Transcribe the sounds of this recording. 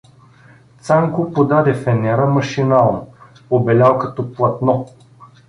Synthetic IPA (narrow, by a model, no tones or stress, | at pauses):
t̪saŋkʊpod̪ad̪ɛfɛnɛɾəmɐʃinalˠn | obɛlʲalˠkɐt̪ɔplˠɐt̪nɔ